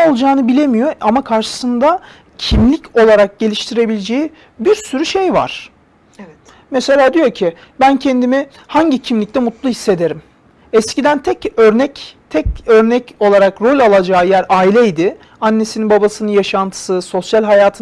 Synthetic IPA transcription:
olˠd͡ʒaːnɯbilʲe̞mijo̞ʔamakʰaɾʃɯ̥sɯnd̪a | cʰimlʲico̞lˠaɾak̚ɟe̞lʲiʃt̪ʰiɾe̞bilʲed͡ʒeji | biɾsyɾyʃejva̰ɾ̥ | ɛ | mɛse̞lʲaːd̪ijo̞cʰi | bæncʰɛnd̪imi | haɲɟicʰimlʲic̚t̪ʰɛmut̪lˠuhisːe̞d̪e̞ɾim | ɛscid̪ænt̪ʰɛcøɾnɛct̪ʰɛcø̞ɾnɛco̞lˠaɾakɾo̞lʲalˠad͡ʒaːjæɾaːilʲɛjid̪ɪ | anːe̞sininbabasɯnɯnjaʃant̪ʰɯ̥sɯso̞sjalʲɦajaːt̪ʰɯ

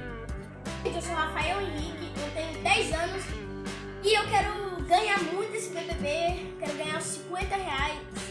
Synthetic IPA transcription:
t̪ewsowhafaɛwĩiɡɪewt̪ẽjʊd̪ɛjzɐ̃nʊs | ɪewkɛɾʊɡɐ̃ɲaɾmũj̃t̪esĩkẽt̪eve | kɛɾʊɡɐ̃ɲaɾʊsĩkwẽnt̪ɐheajs

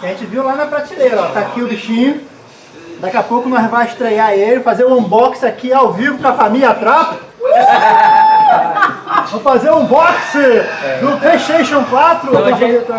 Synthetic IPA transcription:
ɐʒẽt͡ʃɪviwlanɐpɾat͡ʃilejɾɐɔt̪akiʊbiʃĩɲʊ | d̪akɛapowkʊnɔvajɪʃt̪ɾejaelɪfazeɾʊ̃ũbɔksɪakiawvivʊkõɐfamilʲɐat̪ɾapɐ | õfazeɾũbɔksɪd̪ʊplejʃt̪ejʃõkwat̪ɾʊ

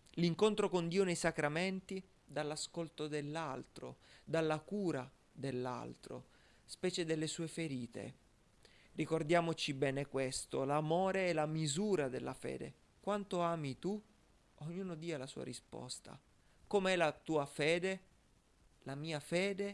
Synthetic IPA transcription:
liŋkont̪ɾokond̪iːonejsakɾamɛnt̪i | d̪alːaskolt̪od̪elːalt̪ɾo̰d̪alːakuːɾa | d̪elːa̰lt̪ɾo̰ | spɛːt͡ʃed̪elːesuːefeɾiːt̪ḛ | rikord̪jaːmot͡ʃibɛːnekwest̪olamoːɾeɛlamizuːɾad̪elːa̰fɛ̰ːd̪ḛ | kwant̪oaːmit̪u | oɲːuːnod̪iːalasṵːa̰ɾispɔ̰st̪a̰ | komeɛlat̪uːafɛːd̪e | lamiːafɛːd̪e

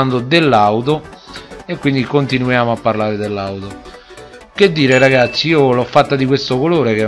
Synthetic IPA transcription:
nd̪od̪elːawt̪̬o | ekːwind̪ikont̪inujaːmoapːarlaːɾed̪elːawt̪o | k̟ed̪ːiːɾeɾaɡat̪sːiiːolɔfːat̪ːad̪ikwest̪okoloːɾeke

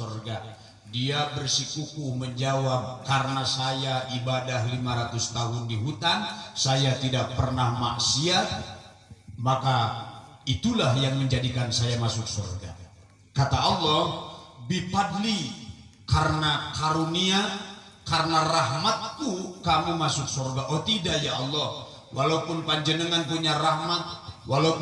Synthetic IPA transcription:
orɡa | diabərsikukuhməɲd͡ʒawap̚karənasajaʔibadahlimaɾat̪ust̪aɦʊndiɦut̪ansajat̪idak̚pərnahma̰ʔsia | maka | it̪ulahjaŋməɲd͡ʒadikansajamasʊk̚sɔ̰rɡa | kat̪aɑlːɔhbipadlikarənakaɾunia | karnaraɦmat̪̚ːukamumasʊk̚sorɡaʔɔt̪idaʔjaɑlːɔh | walaupʊnpaɲd͡ʒənəŋankuɲarahmat̪̚walap

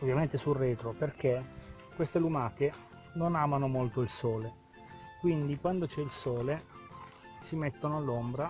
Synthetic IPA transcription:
ovjament̪esurːeːt̪ɾoperk̟e | kːwest̪elumaːke | nonaːmanomolt̪oilsɔːle | kwind̪ikwand̪ot͡ʃɛilsɔːle | simet̪ːonoalːombɾa

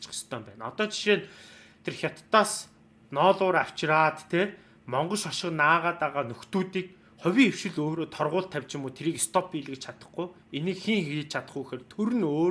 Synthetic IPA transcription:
t͡ɕχə̥̆st̪ʰœːmpæ̰ːnɔ̰t̪ɔːt͡ɕi̥ʃeːn | t̪ʰerxʲjɔt̪ːaːs | nɔːɮʊːɾaw̥t͡ɕraːt̪ːʰeː | mɔɴɢɞ̆ʃɔʃɪ̆qnaːʁaːt̪aʁaːnɵxt̪uːt̪iːk̚ | χɔwʲiŋew̥ʃɪ̆ɮoːɾoːt̪ʰɔrʁʊːɬt̪ʰːæwʲt͡ɕɪ̆muːt̪ʰeɾiːkst̪ʰɔpiɮɘ̆kt͡ɕt͡ɕʰat̪ə̥̆χɡuː | enɘ̆kxiŋxiːt̪̚t͡ɕʰat̪ə̆χujxeːrt̪ʰuɾɘ̆noː

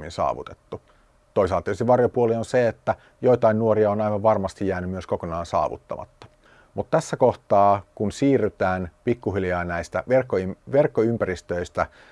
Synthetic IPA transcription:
insɑ̰ːʋṵt̪e̥t̪ːu | t̪oiselɑt̪t̪ieyst̪iʋɑrjopuolionseet̪ːæ | joit̪ɑinnuoriɑonɑiʋɑʋʋɑrmɑst̪ijjæːnymyøskokonɑːnsɑ̰ːʋṵt̪ːɑ̰mɑ̰t̪ːɑ̥ | mut̪t̪æsːækoht̪ɑːkunsiːrːyt̪æːnpikːuɦiljɑːnæist̪æ̰ʋerkːoiʋerkːoympærist̪øist̪æ

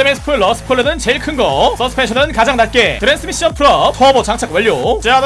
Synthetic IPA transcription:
emesʰɯ̥pʰɯɭːʌsʰɯ̥pʰɯɭɯnɯnt͡ɕe̞iɭkʰɯnɡʌs͈ʌsʰɯ̥pʰeɕʰʌnɯnkad͡ʑaŋnat̚k͈e̞tɯɾens͈ʰɯmiɕ͈ʌnpʰɯɾʌtʰobʌt͡ɕaŋt͡ɕʰak̚wʌʎːjot͡ɕead

